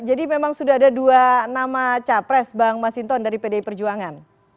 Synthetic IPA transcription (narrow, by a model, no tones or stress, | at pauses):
d͡ʒadimemaŋsudaɦadaduanamat͡ʃapɾɛsbaŋmasint̪ɔndaɾipedaipərd͡ʒuaŋan